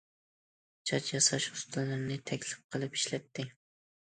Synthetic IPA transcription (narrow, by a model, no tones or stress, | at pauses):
t͡ʃʰɑt͡ʃjɑsɑʃu̥st̪ɨlˠːɨɾnɪt̪ʰɛkʲlɪp̚qʰəlˠɨpi̥ʃlɛt̪ʰːɪ